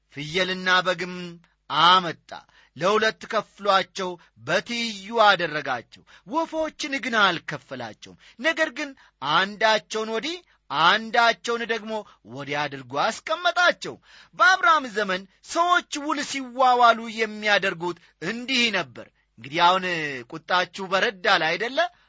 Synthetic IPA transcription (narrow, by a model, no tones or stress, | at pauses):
fɨjːɛlɨnːabəɡɨm | amət̪ʼːa̰ | ləhulət̪ːkʰəfɨlat͡ʃːɛw | bət̪ʰijːuad̪ərːəɡa̰t͡ʃːɛ̰w | wɔfo̞t͡ʃːnɨɡɨnalkʰəfːəla̰t͡ʃːɛ̰wum | nəɡəɾɡɨn | ʔand̪at͡ʃːɛwnwɔd̪i | and̪at͡ʃːɛwnd̪əɡmo̞ | wɔd̪iad̪ɨɾɡuaskʼəmːət̪ʼat͡ʃːɛ̰w | bəaβɾamzəmən | səwo̞t͡ʃːwʊlsiwːawalujɛmːijad̪əɾɡut̪ | ɨnd̪ihnəbːə̰ɾ | ɨŋɡɨd̪iahunkʼut̪ʼːat͡ʃːubəɾəd̪ːalajd̪əlːə